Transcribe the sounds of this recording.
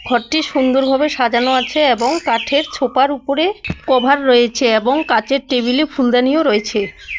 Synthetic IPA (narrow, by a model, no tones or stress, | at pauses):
ɡʱɔɾʈiʃund̪oɾbʱabeʃad͡ʑanoat͡ɕʰeeboŋkaʈʰeɾt͡ɕʰopaɾupoɾekɔbʱaɾːɔjet͡ɕʰeeboŋkat͡ɕeɾʈebilefʰuld̪anijoɾɔet͡ɕʰe